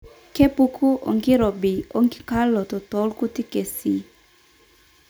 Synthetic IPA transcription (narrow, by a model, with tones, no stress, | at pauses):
ke˦pu˦kʰu˦ʔɔ̰˨ŋɡɪ˦ɾɔ˨bi˨o˦ŋɡɪ˦ka˦lːɔ˨tɔ˨tɔ˦lku˦ti˦ke˨si˨